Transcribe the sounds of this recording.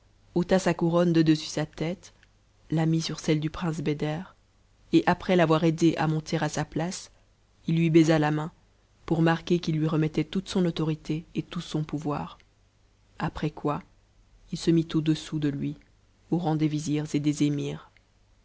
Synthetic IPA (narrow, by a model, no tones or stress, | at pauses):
ot̪asakuʁɔnd̪əd̪əsy̥sat̪ɛt̪ | lamisyʁsɛld̪ypχɛ̃s̬bed̪ɛʁ | eʔapχɛlavwaʁed̪eʔa̰mɔ̃t̪ʰeʁasaplas | ilːɥibɛzalamɛ̃ | puʁmaʁkʲekilːɥiʁəmɛt̪ɛt̪ut̪sɔ̃nɔt̪ɔʁit̪ʰeet̪usɔ̃puvwaːʁ | apχɛkwa | ilsəmit̪od̪əsud̪əlɥi | oʁɑ̃d̪eviziʁzed̪ezemiːʁ